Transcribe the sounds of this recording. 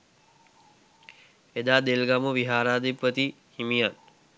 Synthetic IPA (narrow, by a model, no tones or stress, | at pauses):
ed̪aːd̪elɡamuʋiɦaːɾaːd̪ipːət̪i | himijan